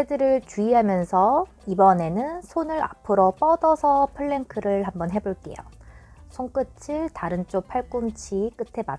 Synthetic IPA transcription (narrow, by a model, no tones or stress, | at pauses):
edɯɾɯɭt͡ɕuiɦamjʌnsʰʌ | ibʌne̞nɯnsʰonɯɾa̰pʰɯɾop͈ʌdʌsʰʌpʰɯɭːe̞ŋkʰɯɾɯɭɦambʌnɦe̞boɭk͈e̞̰jo̰sʰoŋk͈ɯt͡ɕʰiɭtaɾɯnt͡ɕ͈opʰaɭk͈umt͡ɕʰik͈ɯtʰe̞ma